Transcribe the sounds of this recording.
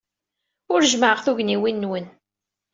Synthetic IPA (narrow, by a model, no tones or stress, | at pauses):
ʊɾʒməʕəʁθuʝniwinːwən